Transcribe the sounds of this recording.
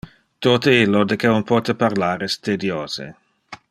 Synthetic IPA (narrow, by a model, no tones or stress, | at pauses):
t̪ot̪eilːod̪ekeunpot̪epaʁlaːɾɛst̪ed̪joːzḛ